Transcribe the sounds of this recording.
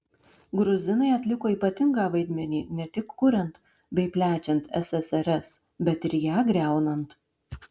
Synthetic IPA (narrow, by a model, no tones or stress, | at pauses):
ɡɾʊzʲɪnɐɪɐt̪ʲlʲɪkoːiːpɐt̪ʲɪŋɡɑːʋɐɪd̪ʲmʲɛnʲiːnʲɛt̪ʲɪkːʊɾʲɛnt̪ | bʲɛɪpʲlʲæːt͡ʃʲɛnt̪ɛ̰sɛsɛɾʲɛs | bʲɛt̪ɪɾjæːɡɾʲæˑʊnɐnt̪